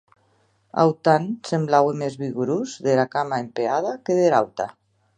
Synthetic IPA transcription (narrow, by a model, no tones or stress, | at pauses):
a̰wt̪ansemblawemezβiɣuɾuzðelakamaempeað̞akeðelawt̪a